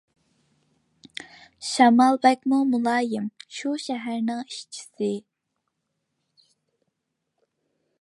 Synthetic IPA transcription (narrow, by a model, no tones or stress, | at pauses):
ʃɑmɑlˠbɛk̚ʲmumulˠɑːjimʃuʃɛɦæɾnɪŋiʃt͡ʃʰi̥sɪ